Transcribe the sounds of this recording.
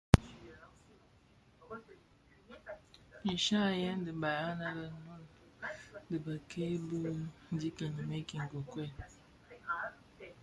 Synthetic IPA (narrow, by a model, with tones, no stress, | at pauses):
i˨ʃa˦˨je˦n̩˦dɪ˨ba˨ɾa˦na˦ɾa˨nu˦n˨ | dɪ˨ba˨kʰe˦bu˦n̩˦d͡ʒi˦ki˨ɲi˨me˦ki˨ŋ̩˨ɡo˨kʷe˦˨